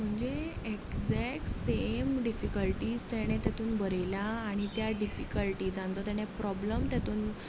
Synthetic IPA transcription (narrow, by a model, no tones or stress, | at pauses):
m̤əɳd͡zeekd͡zɛk̚ʈsemɖifikəlʈiːd͡zt̪ɛɽ̃et̪at̪uːnbəɾlaːɽ̃it̪jaɖifikəlʈiːd͡zãnt͡sɔt̪ɛɽ̃epɾɔbləmt̪jat̪uːn